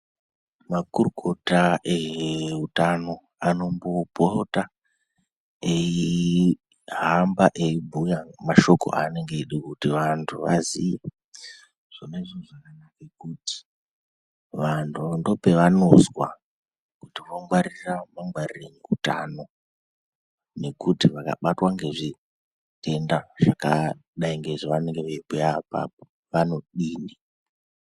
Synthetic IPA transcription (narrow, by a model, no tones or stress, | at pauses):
makuruko̞taeɦutano̞ | ano̞mbopota | ei | ɦambaʔeibʱujamaʃo̞ko̞̰ʔane̞ŋɡeɗukutiʋantʰuʋa̰zije | ʐ̥oneʐoʐakanakekuti̥ | ʋantʰundo̞pe̞ʋano̞zwa | kutiʋoŋɡwaɾiramaŋɡwarireɲiuta̰no̞ | ne̞kutiʋaka̰ɓatwaŋɡe̞ʐi | te̞ndaʐ̥akaɗaiŋɡe̞ʐiʋane̞ŋɡeʋeipujapa̰p̚o | ʋano̞ɗiːni